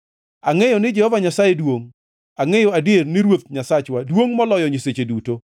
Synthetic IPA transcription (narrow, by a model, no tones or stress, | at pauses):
aŋejɔnɪd͡ʒɛhɔvaɲasajedwoŋ | aŋejɔadjernɪɾwot̪̚ɲasat͡ʃwadwoŋmɔlɔjɔɲeset͡ʃeduto